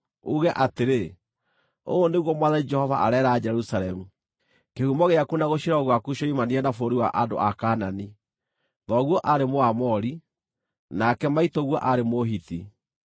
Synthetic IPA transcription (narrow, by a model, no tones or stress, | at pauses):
uɣɛʔateɾe | oːneɣwɔmwaðanid͡ʒɛhɔva̰ʔa̰ɾɛːɾaːd͡ʒɛɾusaɾɛmu | kehumɔɣeakunaɣoɕiɾɔɣwakuɕɔimanianafoɾiwa̰ʔado̰ʔakaːnani | ðɔɣwɔʔaɾemoamɔɾi | nakɛmaitɔɣwɔʔaɾemoɦiti